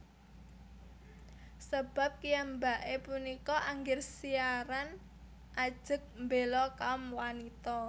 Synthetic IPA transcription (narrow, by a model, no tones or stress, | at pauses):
səb̥a̤p̚kijambaʔepunikɔʔaŋɡɪrsiaɾan | ʔad̥ʒ̥ə̤k̚mbelɔkaɔmwanit̪ɔ